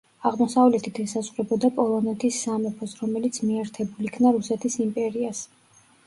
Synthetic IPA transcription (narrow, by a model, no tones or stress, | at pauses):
aʁmɔsavlɛt̪ʰit̪ʰɛsazʼχɾɛbɔd̪apʼɔlˠɔnɛt̪ʰisːamɛpʰɔsɾɔmɛlit̪sʰmiɛɾt̪ʰɛbulikʰnaɾusɛt̪ʰisimpʼɛɾias